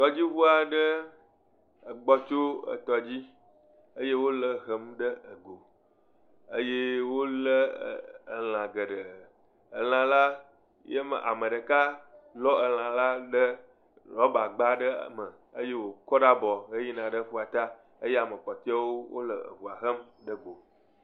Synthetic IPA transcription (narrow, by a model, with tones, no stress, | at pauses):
t̪ɔ˨d͡ʑi˦βu˦a˨ɖə˦ | ə˨ɡ͡bɔ˦t͡ʃo˦ə̰˨t̪ɔ˨d͡ʑi˦ | ə˦je˦wo˦lə˦ɣə˨mɖə˦ə˨ɡo˨ | ə˦je˦wo˦lə˦˨ə˨l̃ã˨ɡə˨ɖə˨ | ə˨l̃ã˨la˦ | je˦mə̰˨ʔa̰˨mə̃˨ɖə˨ka˦lɔ˦ə˨l̃ã˨la˦ɖə˦ | lɔ˦ba˨ɡ͡ba˦ɖə̰˦˨mə˨ | ə˦je˦wo˨kɔ˦ɖa˦bɔ˨ɣe˦ji˦nã˨ɖə˦ɸu˦a˨t̪a˦ | ə˦je˦a˨mə̃˨k͡pɔ˨t̪i˦a˦wo˦wʔo̰˦lə˨ə̰˨vu˨a˨ɣə˦m | ɖə˦ɡo˨